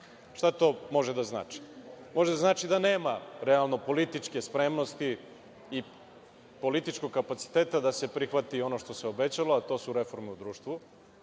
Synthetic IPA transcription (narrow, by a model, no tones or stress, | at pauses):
ʃt̪at̪o̞ːmo̞ʒed̪azna̰ːt͡ʃi̥mo̞ʒed̪azaːt͡ʃid̪aneːmaɾealˠno̞po̞lit̪it͡ʃke̞spɾemno̞st̪iː | po̞lit̪it͡ʃko̞ɡ̚kapat̪si̥t̪eːt̪ad̪ase̞pɾixʋat̪io̞no̞ʃt̪o̞seobe̞t͡ɕaloat̪o̞ːsuɾe̞fo̞ɾmeud̪ɾuːʃt̪vu